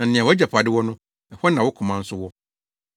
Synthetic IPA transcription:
nã˨n̩˨nɪ̃˨a˨wɔ˦ɛ˦d͡ʑɛ˨pʰa˨dɪ˦wɔ˦nʊ̃˦ | ɛ˨hɔ˦nã˨wɔ˦kʰʊ̃˨mã˦n̩˦sʊ˦wɔ˦

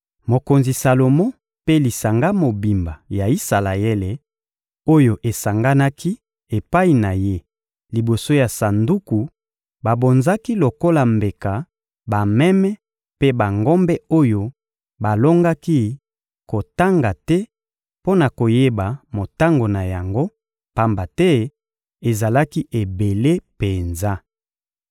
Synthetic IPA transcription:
mo˨ko˨nzi˨sa˨lo˨mo˦ | pe˦li˨sa˨ŋɡa˦mo˨bi˨mba˨ja˨i˦sa˨la˨ɛ˦le˨ | o˦jo˨ʔe˨sa˨ŋɡa˦na˦kʰi˦ | e˨pa˦i˨na˨je˦ | li˨bo˨so˦ja˨sa˨ndu˦ku˨ | ba˨bo˨nza˦ki˦lo˨ko˦la˨mbe˨ka˨ | ba˨mɛ˦mɛ˦ | pe˦ba˨ŋɡo˦mbɛ˦o˦jo˦ | ba˨lo˦ŋɡa˦ki˦ | ko˨ta˦ŋɡa˨tɛ˦ | po˦na˨ko˨je˦ba˨mo˨ta˦ŋɡo˨na˨ja˨ŋɡo˦ | pa˦mba˨tɛ˦ | e˨za˨la˦ki˦ʔe˨be˨le˦pe˨nza˦

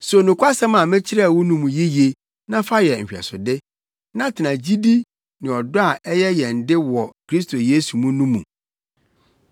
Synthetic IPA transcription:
so˨nũ˨kʷʰa˦sã˦mã˨mɪ̃˦t͡ɕʰɪ˦ɾɛ˦˨wʊ˦nũ˦mũ˨ji˦je˨ | nã˦fa˦jɛ˨m̩ᶣ˨ɛ̰˨sʊ˨dɪ˦ | nã˦tʰɪ˨nã˨d͡ʑi˦di˦ | nɪ̃˨ɔ˨dʊ˦a˨ʔɛ˦jɛ˦jɛ˨n̩˨dɪ˦wɔ˨kʰɾi˦s̬tʰo˨je˦su˨mũ˦nũ˦mũ˨

